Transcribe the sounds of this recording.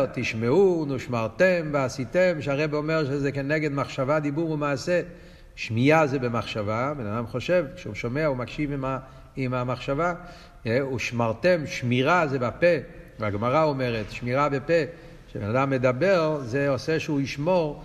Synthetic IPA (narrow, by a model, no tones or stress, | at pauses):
t̪iʃmeunuʃmaʁt̪embeasit̪emʃeaʁebeomeʁʃezekeneɡed̪maχʃavad̪ibuʁumaːse | ʃmijazebemaχʃavabenad̪amχo̞ʃevkʃeuʃomeaumakʃivima | imamaχʃava | euʃmaʁt̪emʃmiʁazebapevaɡmaʁaomeʁet̪ʃmiʁabepe | ʃebenad̪amːed̪abeʁzeoseʃuiʃmo̞ʁ